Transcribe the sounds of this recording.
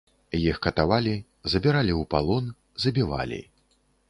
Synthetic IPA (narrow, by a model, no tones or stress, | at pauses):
jixkɐt̪avalʲi | zɐbʲiɾalʲiwpa̰lˠɔn | zɐbʲiva̰lʲḭ